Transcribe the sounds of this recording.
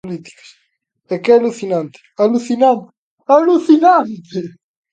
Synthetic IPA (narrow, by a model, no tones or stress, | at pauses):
lit̪i̥kɐ̥ʃ | ɛkɛɐlusinɐ̃nt̪ɨ̥ɐlusinɐ̃nt̪ | ɐlusinɐ̃nt̪ɨ